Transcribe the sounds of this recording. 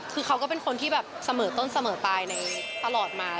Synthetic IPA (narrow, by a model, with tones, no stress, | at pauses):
kʰɯː˧kʰa˦˥wkɔː˥˩pe˧nkʰo˧nt̪ʰiː˥˩bɛː˨˩p̚sa˧mɤː˩˦t̪o˥˩nsa˧mɤː˩˦t̪aː˧jna˧jt̪a˧lɔː˨˩t̪̚maː˧